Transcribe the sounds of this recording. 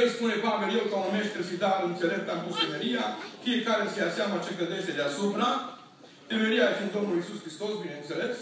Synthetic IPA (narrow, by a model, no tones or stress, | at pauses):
espune̞paveljewkameʃt̪esid̪aɾɨnt̪selep̚t̪ampust̪emeɾijafijekaɾesejaseaməat͡ʃekləd̪eʃt̪ed̪easupɾa | t̪emeɾiaefind̪o̞mnulisuskɾist̪o̞sbinent̪se̞le̞s